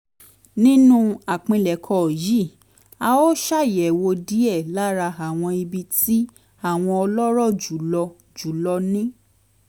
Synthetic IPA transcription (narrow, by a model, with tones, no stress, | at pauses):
nĩ˦nũ˦a˨k͡pĩ˧lɛ˨kʰɔ˧˨ji˨˦˨ | a˧o˦ʃa˦˨jɛ˨wo˧di˨˦ɛ˦˨la˦ɾa˧a˨w̃ɔ̃˧i˧bi˧ti˦ | a˦˨w̃ɔ̃˧ɔ˧lɔ˦ɾɔ˦˨d͡ʒu˨˦lɔ˧ | d͡ʒu˨˦lɔ˧nĩ˦